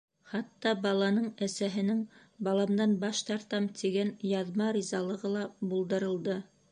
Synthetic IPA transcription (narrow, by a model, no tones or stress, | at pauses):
χɑt̪ːɑbɑlˠɑnɤɴæsæɦɘ̆nɘŋ | bɑlˠɑmd̪ɑnbɑʃt̪ɑɾt̪ɑmt̪ʰiɡænjɑðmɑɾʲizɑlˠɤ̆ʁɤlˠɑbulˠd̪ɤ̆ɾɤ̆lˠd̪ɤ